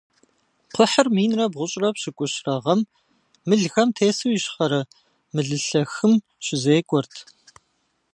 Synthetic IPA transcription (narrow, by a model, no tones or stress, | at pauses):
qʷʰʊħərmiːnrɐbʁʷʊɕʼrɐpɕɪkʷʼʊɕrɐʁɐmː | ɨɮɣɐmtʰeːsɨwjɪɕχɐɾɐ | mɨɮɨɬɐxɨm | ɕɪzeːkʷʼɔrtʰ